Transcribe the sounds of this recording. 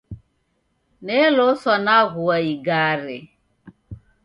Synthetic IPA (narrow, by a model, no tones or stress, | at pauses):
nelosɔnaɣuaiɡaɾɪ̰